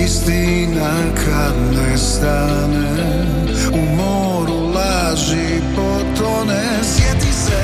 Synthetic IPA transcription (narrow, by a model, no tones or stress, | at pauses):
ist̪i | na | kʰad̪nojst̪a | nɛ | umo | ɾulˠa | ʒi | pot̪ɾonɛ | sjɛt̪isɛ